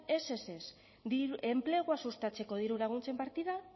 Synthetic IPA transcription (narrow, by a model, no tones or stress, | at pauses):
e̞se̞ses | ie̞mple̞ɣ̞uasust̪at͡se̞ko̞ð̞iɾulaɣ̞unt͡se̞mpaɾt̪iða